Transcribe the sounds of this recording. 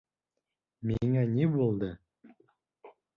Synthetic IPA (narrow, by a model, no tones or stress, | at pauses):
miŋænʲibulˠd̪ɤ